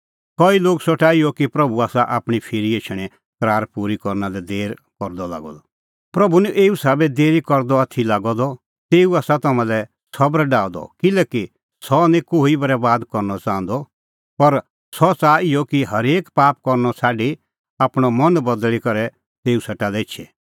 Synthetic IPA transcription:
kɔiloːɡsɔʈaːijɔkipɾɐbuaːsaʔaːpɽ̃ipʰɪɾieːʃʰəɽ̃ɛ̃ | kɾaːɾpuɾikɔɾnalɛd̪eːɾkɔɾd̪ɔla̰ːɡɔ̰d̪ɔ | pɾɐbunĩʔeːusaːbɛd̪eːɾikɔɾd̪ɔɐt̪ʰːilaːɡɔd̪ɔ | t̪eːuaːsat̪ɐmãlɛ | sɐbɾɖaːd̪ɔ̰kɪlɛːki | sɔnĩkoːibɐɾɛbaːd̪kɔɾnɔt͡sãːə̃nd̪ɔ | pɐɾ | sɔt͡saːɪjɔkiɦɐɾeːkpaːp̚kɔɾnɔsʰaːɖi | aːpɽ̃ɔmɐ̃nbɐd̪ɭikɐɾɛ | t̪eːusɐʈalɛɪt͡ʃʃʰɛ

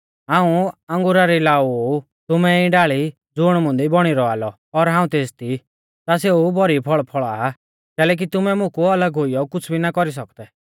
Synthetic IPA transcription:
ɦãːũãŋɡʊɾaɾilaːuo | t̪ʊmɛĩɖaːɭi | d͡zʊɽ̃mʊ̃nd̪ibɔɽ̃iɾɔaːlɔ | ɔɾɦãːũt̪eːst̪ʰi | t̪aseubɔɾipʰɔɭpʰɔɭa | kɛːlɛk̬it̪ʊmɛmʊ̃kuɐləɡɦʊijɔkʊt͡sʰbʱinakɔɾis̬ɔkd̪ɛ

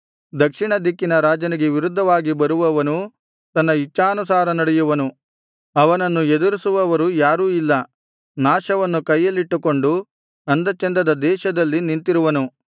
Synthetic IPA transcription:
d̪ɐkʂiɳɐd̪ikːinɐɾaːd͡ʒɐniɡeʋiɾud̪ʱːɐʋaːɡibɐɾuʋɐʋɐnu | t̪ɐnːɐit͡ʃːaːnusaːɾɐnɐɽɛjuʋɐnu | ɐʋɐnɐnːued̪uɾisuʋɐʋɐɾujaːɾuːilːɐ | naːʃɐʋɐnːukɐjːɐlːiʈːuko̞ɳɖu | ɐnd̪ɐt͡ʃend̪ɐd̪ɐd̪ɛːʃɐd̪ɐlːinint̪iɾuʋɐnu

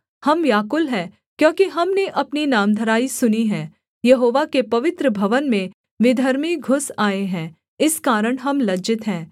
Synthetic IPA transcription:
hɐmjaːkʊlɦɛ̃ː | kjõːkiɦɐmneʔɐpninaːmd̪ʱəɾaːisʊniɦɛ̃ː | jɐɦoːʋakepɐʋɪt̪ɾəbʱɐʋənmẽ | ʋɪd̪ʱəɾmiɡʱʊsaːeɦɛ̃ː | ɪskaːɾəɽ̃ɦɐmlɐd͡ʒɪt̪ɦɛ̃ː

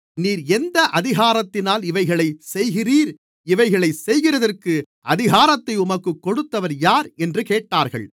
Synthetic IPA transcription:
niːɾɛnd̪ɐʔɐðɪɣaːɾɐt̪ːɪnaːlɪʋɐɪɣɐɭɐɪsɛjɣɪriːɾ | ɪʋɐɪɣɐɭɐɪsɛjɣɪrɐðɐrkɯ | ʔɐðɪɣaːɾɐt̪ːɐɪʊmɐkːɯkːɔɽɯt̪ːɐʋɐɾjaːɾɛndrɯkeːʈːaːɾɣɐ̰ɭ

